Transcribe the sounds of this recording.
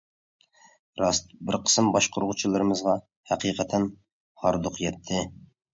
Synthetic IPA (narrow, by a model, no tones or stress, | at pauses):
ɾɑst̪bɪɾqʰə̥smbɑʃqʰʊɾʁʊt͡ʃʰilˠɨɾɨmɨzʁɑ | hæqʰiqʰət̪ʰɛn | hɑɾd̪ʊqjɛt̪ʰːɪ